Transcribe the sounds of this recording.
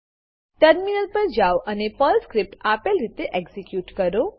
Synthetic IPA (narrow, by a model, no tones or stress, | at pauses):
ʈəɾminəlpəɾd͡ʒawʔənepəlskɾip̚ʈapelɾit̪eʔeɡzikjuʈkəɾo